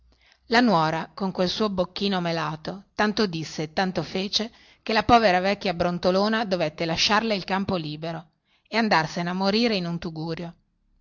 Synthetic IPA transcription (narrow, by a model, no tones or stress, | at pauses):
lanwɔːɾakoŋkwelsuːobokːiːnomelaːt̪ot̪ant̪od̪isːet̪ːant̪ofeːt͡ʃe | kelapɔːveɾavɛkːjabɾont̪oloːnad̪ovet̪ːelaʃːarleilkampoliːbeɾo | eand̪arsenamːoɾiːɾeinunt̪uɡuːɾjo